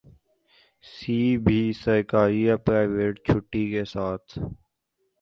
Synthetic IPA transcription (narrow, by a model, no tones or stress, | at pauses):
siːbʱisəɾkaːɾijapɾaːɪʋeːʈt͡ʃʰʊʈːikesaːt̪ʰ